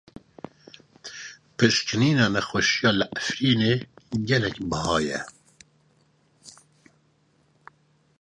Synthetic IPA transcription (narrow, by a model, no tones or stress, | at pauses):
pɨʃkɨniːnɑːnɛxɛʃijɑːlɨʔæfɾiːneːɡɛlɛkbəhɑːjɛ̰